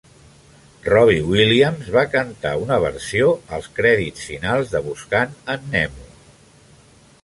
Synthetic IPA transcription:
rɔβ̞iwiliəmzβakənt̪a̰unəβ̞ə̰ɾsioəlˠskɾɛðit͡sfinalˠzðəβuskanənːɛmu

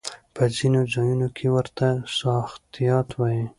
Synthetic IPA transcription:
pəzinozɑjunokʰewəɾt̪asɑxt̪ijɑt̪wɑji

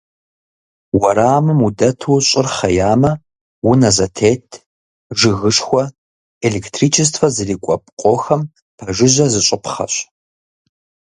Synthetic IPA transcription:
wɐɾaːmɨmudɐtʰuːɕʼɪrχɐjaːmɐ | wʊnɐzɐtʰeːtʰ | ʒɨɣɨʂxʷɔ | elektʰriːt͡ʃʰɪs̬tʰfɐzɨriːkʷʼɔp̚ʼqʷʼoːxɐm | pʰɐʒɨʑʷɐzɨɕʷʼɪpʰχɐ̰ɕ

